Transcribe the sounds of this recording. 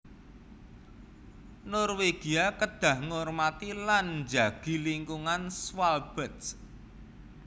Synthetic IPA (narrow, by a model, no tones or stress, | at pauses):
nɔrweɡ̥iakəd̥ä̤hŋɔrmat̪iland͡ʒa̤ɡ̥i̤liŋkuŋanswalb̥ət̪s